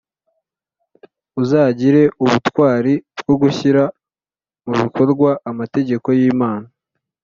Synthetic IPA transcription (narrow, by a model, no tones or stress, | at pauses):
uzaːɟiɾe̞ʔuβutwaːɾibɡ̥o̞ɡuçiɾa | muβiko̞ɾɡwaʔːmate̞ɟe̞ko̞jiːmaːna